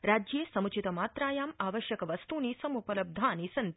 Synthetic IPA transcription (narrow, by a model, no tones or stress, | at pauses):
ɾaːd͡ʒjeːsɐmut͡ʃit̪ɐmaːt̪ɾaːjaːmaːʋɐʃjɐkɐʋɐst̪uːniːsɐmupɐlɐb̚d̪ʱaːnisɐnt̪